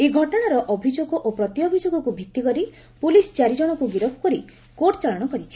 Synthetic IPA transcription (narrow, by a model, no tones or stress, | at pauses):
eɡʱɔʈɔɽ̃aɾɔʔɔbʱid͡ʒoɡɔʔopɾɔt̪iɔbʱid͡ʒoɡɔkubʱit̪ːikɔɾi | pulist͡ʃaɾid͡ʒɔɽ̃ɔkuɡiɾɔpʰɔ̥kɔɾi | koʈɔt͡ʃaɭɔɽ̃ɔkɔɾit͡ʃʰi̥